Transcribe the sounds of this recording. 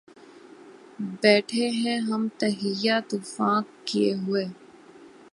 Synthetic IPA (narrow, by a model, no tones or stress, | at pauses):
bɛːʈʰeɦɛ̃ɦɐmt̪ɐɦɪjat̪ʊfãːkkːieɦʊeː